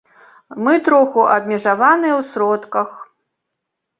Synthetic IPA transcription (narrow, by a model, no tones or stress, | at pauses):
mɨt̪ɾɔxuʔɐbʲmʲɛʐavanɨjɛwsɾɔt̪kɐx